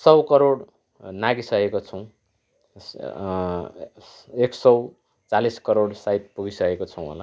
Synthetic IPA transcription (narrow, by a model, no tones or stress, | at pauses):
sʌwkʌɾoɽ | naɡisʌkekot͡sʰʌw̃ | eksʌw | t͡saliskʌɾoɽsajt̪̚puɡisʌkekot͡sʰʌw̃ɦo̰la